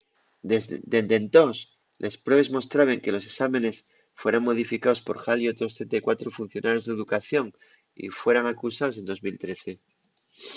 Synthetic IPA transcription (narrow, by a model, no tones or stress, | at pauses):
ed̪e̞nd̪e̞nt̪os | lʔespɾe̞β̞ezmo̞st̪ɾaβe̞ŋke̞lo̞se̞ksamẽ̞ne̞s | fwe̞ɾaŋmo̞ð̞ifikao̞spo̞ɾxalio̞t̪ɾo̞st̪ɾent̪aikwat̪ɾofun̟θjonʔaɾjo̞zðeðukaθjo̞ŋ | ḭfwe̞ɾaŋakusaos̬e̞nd̪o̞zmilt̪ɾe̞θe̞